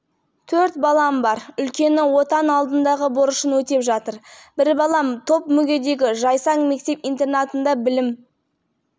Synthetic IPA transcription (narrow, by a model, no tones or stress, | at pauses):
t̪ʰɵɾt̪̚bɑlˠɑmbɑɾʏlkʲe̞nɪwo̞t̪ɑnɑlˠd̪ənd̪ɑʁəboɾəʃənwɵt̪e̞pʒɑt̪əɾb̥ɪɾbɑlˠɑmt̪ʰo̞pmʏɡʲe̞d̪e̞ɡʲɪʒɑjsɑɴme̞k̚t̪e̞pijnt̪e̞rnɑt̪ənd̪ɑbɪlɪm